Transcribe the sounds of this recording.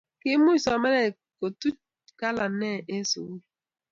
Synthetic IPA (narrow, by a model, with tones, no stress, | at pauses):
ke˦mu˦˨sɔ˨˦me˦le˨ | ko˨tu˦ | ka˦la˨˦ne˦˨e˦so̰˨wu˦˨˦